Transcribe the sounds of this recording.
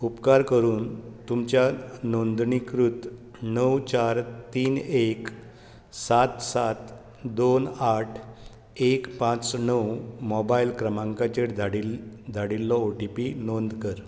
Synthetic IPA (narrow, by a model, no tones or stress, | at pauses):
upkaɾkəɾuːnt̪umt͡ɕjanond̪ɳikɾut̪ | nəwt͡ɕaɾt̪iːnek | sat̪sat̪ | d̪onaʈʰ | ekpãt͡snəwmɔbailkɾəmãŋkat͡ɕeʈdʱaɽid͡z̪ʱaɽilːɔoʈipinond̪kəɾ